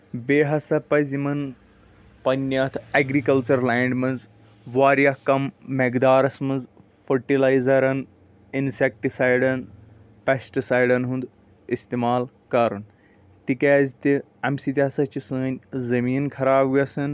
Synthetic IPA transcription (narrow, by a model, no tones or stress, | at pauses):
beːɦɐsɐpɐzimɐn | pɐnʲːɐt̪ʰɐɡɾikɐlt͡ʃɐɾlaːɳɖmɐnz | ʋaːɾjɐkɐmːeɡd̪aːɾɐsmɐnz | fʰɐɾʈilaːjzɐɾɐn | insek̚ʈisajɖɐn | pesʈisajɖɐnɦũnd̪ | ist̪imaːl | kɐɾun | t̪ikaːzʲt̪i | ɐmsit̪ʲiɦɐsɐt͡ʃisɨːnʲzɐmiːnkʰɐɾaːbɡɐsɐn